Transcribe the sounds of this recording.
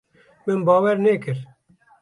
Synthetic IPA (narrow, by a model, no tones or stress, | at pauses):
mɨnbɑːwɛɾnɛːkɨɾ